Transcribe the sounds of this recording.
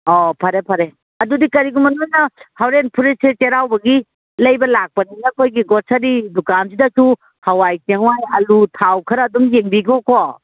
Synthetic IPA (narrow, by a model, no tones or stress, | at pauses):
ɔpʰɐɾepʰɐɾe | ɐdudikɐɾiɡumɐnujnɐhawɾenpʰuɾeset͡ʃeɾawbɐɡi | lɐjbɐlak̚pɐninɐkʰojɡiɡɔt̚sɐɾidukansidɐsu | hawajseŋwajɐlutʰawkʰɐɾɐdumjeŋbikʰɔko